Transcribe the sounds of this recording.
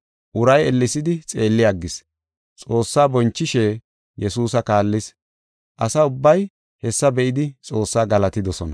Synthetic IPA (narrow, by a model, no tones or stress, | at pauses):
ʔʊɾɐjɛlːɪsɪd̪ɪt͡sʼe̞ːlːɪjaɡːɪs | t͡sʼo̞ːsːaːbɔnt͡ʃːɪʃeː | jɛsuːsɐkaːlːɪs | ʔɐsɐʊbːɐj | hɛsːɐbɛʔɪd̪ɪt͡sʼo̞ːsːaːɡɐlɐt̪ɪd̪ɔsɔnɐ